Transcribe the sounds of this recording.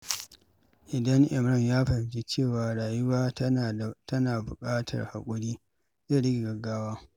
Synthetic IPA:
ʔɪ˨dɐ˦ŋʔɪ˨mɾɐ˦˨mjaː˦ɸɐ˨ɪ˨d͡ʒe˦t͡ʃeː˦˨waː˨ɽaː˨jʊ˦waː˦˨tɐ˦naː˨bʊ̰˨kʼaː˦tʰɐ̰˨rha̰˨kʷʼʊ˦ɽiː˦ | zeː˦˨ɽɪ˦ɡʲe˨ɡɐ˨ɡːaː˦waː˦

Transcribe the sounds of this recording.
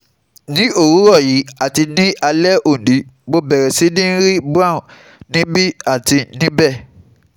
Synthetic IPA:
nĩ˦o˦˨ɾũ˨˦ɾɔ˦˨ji˨˦a˦˨ti˧nĩ˦a˧lɛ˦o˨n˨di˨˦bo˦bɛ˨ɾɛ˨si˨˦nĩ˦ɾi˦bu˦ã˦˨ | nĩ˦bi˦a˦˨ti˧nĩ˦bɛ˦˨

